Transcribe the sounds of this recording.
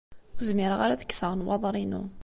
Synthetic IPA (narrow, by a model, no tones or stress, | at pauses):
ʊzmɪɾʁaɾaðəkːsəʁnwɑðˤɾˤinṵ